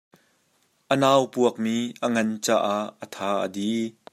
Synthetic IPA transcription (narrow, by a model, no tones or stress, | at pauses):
ʔənaːwpuək̚miːʔəŋɐnt͡sa̰ːʔaʔːət̪ʰaːʔə̰di